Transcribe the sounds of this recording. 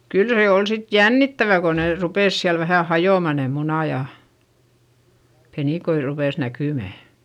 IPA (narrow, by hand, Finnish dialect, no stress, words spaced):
kyl se ol sit jænːitːæʋæ ko neˑ rupeˑs siæl ʋæhæˑ hɑjoˑmɑ ne munɑˑ jɑ peniˑkoi rupeˑs nækyˑmæ